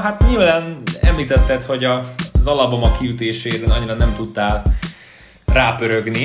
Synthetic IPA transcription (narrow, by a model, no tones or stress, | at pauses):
ɦat̪ɲilvaːnɛ̰mliːt̪ɛt̪ːɛt̪ho̞ɟɒzɒlɒbomɒkːiyt̪eːʃeːd̪ɛnɒɲːiɾɒnɛmt̪ut̪ːaːl | raːpøɾøɡni